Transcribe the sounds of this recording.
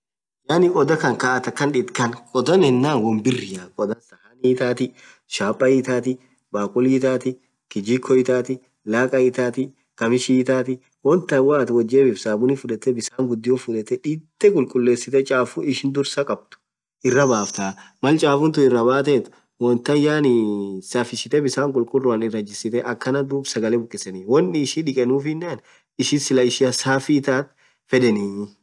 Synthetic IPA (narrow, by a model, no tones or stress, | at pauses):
jaːnɪkʼɔd̪ɐkɐŋkaːʔɐt̪ɐkːɐnᶑɪt̪kɐnkʼɔd̪ɐnɛnːaːnwɔmbɪrːɪjakʼɔd̪ɐnsɐʔaniːt̪aːt̪ɪ | ʃaːpʼːɐjɪt̪aːt̪ɪ | baːkʼʊliːt̪aːt̪ɪ | kɪd͡ʒiːkʰːɔjɪt̪aːt̪ɪ | laːkʼɐɪt̪aːt̪ɪ | kɐmɪʃiːt̪aːt̪ɪ | wɔnt̪ːɐwaːt̪wɐd͡ʒːeːbɪfsaːbʊnɪfʊᶑɐt̪ːɛbɪsaːŋɡʊd̪ːɪjɔfʊᶑɛt̪ːɛᶑit̪ːɛkʼʊlkʼʊlːe̞ːsːɪt̪ɛt͡ʃʼaːfuɪʃɪnd̪ʊɾsɐkʼɐb̚t̪ʊ̥ | ʔɪrːɐbaːft̪aː | mɐlt͡ʃʼaːfʊnt̪ʊɪrːɐbaːt̪et̪ | wɔnt̪ɐjaːnɪsaːfɪsɪt̪ɛbɪsaːŋkʼʊlkʼʊlrːʊɐnɪrːɐd͡ʒːɪsɪt̪ɛʔɐkːɐnɐd̪uːbsɐɡɐlɛbʊkʼːɪsɛnɪwɔnːɪːʃiːᶑɪkʼɛnuːfnːaːn | ɪʃɪsɪlɐɪʃɪɐsaːfɪːt̪aːt̪ | fɛᶑɛni